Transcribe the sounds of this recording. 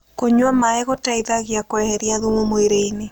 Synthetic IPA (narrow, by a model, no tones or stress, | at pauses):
koɲwamaeɣotaiðaɣjakwɛhɛɾjaðumomoeɾeine